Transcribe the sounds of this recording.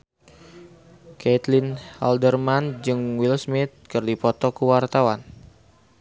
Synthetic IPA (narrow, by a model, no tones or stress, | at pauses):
kɛt̪lina̰ldərmand͡ʒɨŋwilsmɪt̪̚kɨrdipɔt̪ɔkəwart̪awan